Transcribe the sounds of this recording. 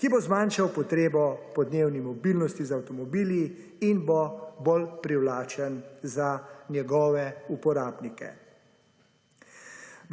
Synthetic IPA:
kibozmaːnʃawpɔt̪ɾeːbɔpɔd̪neːwnimɔbilnɔst̪izawt̪ɔmɔbiːli | inbobolpɾiwlaːt͡ʃənzanjɛɡɔːʋɛupɔɾaːbnikɛ̰

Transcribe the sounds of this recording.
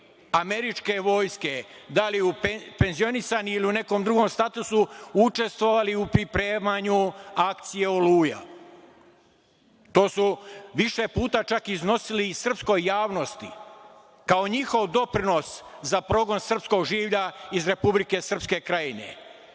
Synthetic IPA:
ame̞ɾit͡ʃke̞ʋo̞ːjske̞ | d̪aliupe̞nzio̞nisaniiliune̞ko̞md̪ɾuɡo̞mst̪at̪usuut͡ʃe̞st̪ʋo̞ʋaliupɾipɾe̞ːmaɲuakt̪sije̞oluːja̰ | t̪o̞ːsuʋiʃe̞puːt̪at͡ʃakizno̞silisr̩psko̞jːaːʋno̞st̪i | kao̞ɲixo̞ʋd̪o̞pɾino̞szapɾo̞ɡo̞nsr̩psko̞ɡʒiːʋʎaizɾe̞publike̞sr̩pske̞kɾajine̞̰

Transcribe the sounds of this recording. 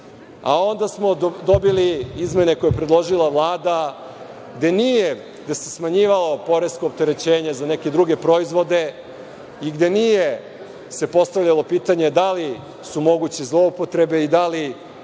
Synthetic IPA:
a̰o̞nd̪asmo̞d̪o̞biliizme̞ne̞ko̞jepɾed̪lˠo̞ʒilˠaʋlˠaːd̪a | ɡd̪e̞nije̞ | ɡd̪ese̞smaɲiːʋalˠo̞po̞ɾeskoːp̚t̪e̞ɾe̞t͡ɕeːɲe̞zane̞ked̪ɾuɡe̞pɾo̞izʋo̞d̪e̞ | iɡd̪e̞nije | se̞po̞st̪aʋʎalˠo̞piːt̪aɲe̞d̪ali | sumo̞ɡut͡ɕizlˠo̞upot̪ɾe̞be̞id̪ali

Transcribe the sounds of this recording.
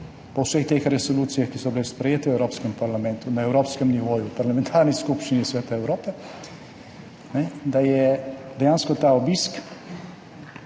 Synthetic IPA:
pɔwsext̪exɾɛsɔluːt̪sijaxkisɔbilespɾɛjeːt̪ɛwɛwɾoːpskɛmpaɾlamɛ̃nt̪unaɛwɾoːpskɛmniʋoːjupaɾlamɛ̃nt̪ʰaːɾniskupʃt͡ʃinisʋɛːt̪aɛwɾoːpɛ | nɛd̪ajɛd̪ɛjaːnskɔt̪aɔbisk

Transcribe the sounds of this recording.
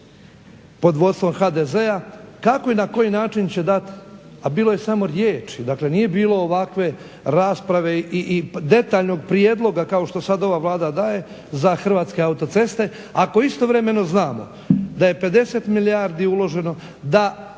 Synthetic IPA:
po̞d̪ʋo̞d̪st̪ʋomxaːd̪e̞zeakako̞inako̞jinaːt͡ʃint͡ɕe̞d̪at̪i̥abiːlˠo̞je̞samo̞ɾjeːt͡ʃid̪akle̞nije̞biːlo̞ːʋakʋe̞ | ɾaːspɾaʋe̞iʔid̪e̞t̪aːʎno̞ɡ̚pɾijed̪lˠo̞ɡakao̞ʃt̪o̞sad̪o̞ʋaːʋlˠaːd̪ad̪aːje̞ | zaxr̩ʋaːt̪ske̞aut̪o̞t̪se̞st̪e̞ | ako̞ist̪o̞ʋɾeme̞no̞znaːmo̞̰ | d̪aje̞pe̞d̪e̞se̞t̪miliaːɾd̪iulo̞ʒe̞no̞ | d̪a

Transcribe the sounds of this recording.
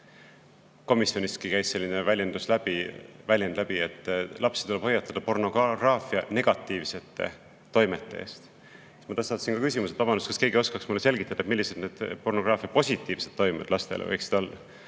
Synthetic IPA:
ko̞misjo̞nist̪̚kikæjsse̞lʲːinevælʲjend̪̥uslæbivælʲjend̪læb̥iet̪ˑːlʔɑpsed̥̪t̪ule̞bho̞jːɑt̪ːˑɑd̪̥ɑpo̞rno̞ɡɑɡrɑːfiɑne̞ɡ̥ɑt̪ːˑiːvse̞t̪ːe̞̰ | t̪o̞jme̞t̪ːˑeḛːst̪ | smɑt̪ɑsːɑːt̪ːɑsinkɑkys̬ʲimuset̪vɑbɑnust̪kɑske̞ːɡio̞skɑksmulːese̞lɡit̪ːˑɑd̪̥ɑet̪milːise̞d̪̥neːd̪̥po̞rno̞ɡ̥rɑːfiɑt̪̚po̞sʲit̪ːˑiːv̥se̞d̪̥ːo̞jmḛd̪̥lɑst̪ḛlḛvɤjksid̥̪o̞lːɑ

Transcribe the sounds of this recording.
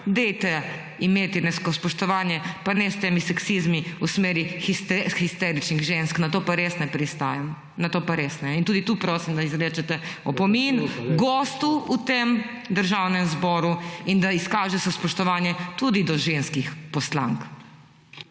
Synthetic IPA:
d̪ejt̪ɛ | imeːt̪inɛskɔspɔʃt̪ɔʋaːnjɛpanɛst̪eːmisɛksizmiusmeːɾixist̪xist̪ɛɾit͡ʃniɣʒensknat̪oːpaɾesnɛpɾist̪aːjɛm | nat̪oːpaɾeːsnɛint̪uːd̪it̪uːpɾoːsimd̪aizɾɛːt͡ʃɛt̪ɛɔpɔminɡɔːst̪uut̪em | d̪əɾʒawnɛmzbɔːɾuind̪aiskaːʒɛsɛspɔʃt̪ɔʋanjɛt̪ud̪id̪ɔʒenskixpɔsla̰ŋk

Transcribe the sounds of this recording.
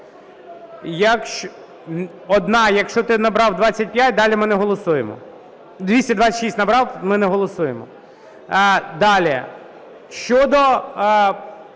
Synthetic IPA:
jɐkʃ | ɔd̪nɑjɐkʃt͡ʃɔt̪ɪnɐbɾɑwd̪ʋɑt͡sʲːɐt̚ʲpʲjatʲd̪ɑlʲimɪnɛɦɔlˠɔsujemɔ̰ | d̪ʋʲisʲtʲɐd̪ʋɑt͡sʲːɐ̥tʲʃisʲtʲnɐbɾɑwmɪnɛɦɔlˠɔsujemɔ̰ | d̪ɑlʲi | ʃt͡ʃɔd̪ɔ

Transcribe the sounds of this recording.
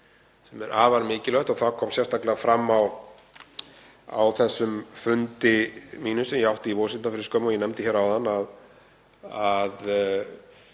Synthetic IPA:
sɛmɛɾʔaːvaɾmɪːcɪlœht̪ɔɣθaðkʰɔːmsjɛrst̪aklɪafɾamːaw | a̰wθɛsːʏmfʏnt̪ɪmiːnʏsɛmjɛawht̪ɪivoːwsɪnt̪afɪɾɪ̥skœːmɔjɛnɛmt̪ɪçɛɾawðanːað | að

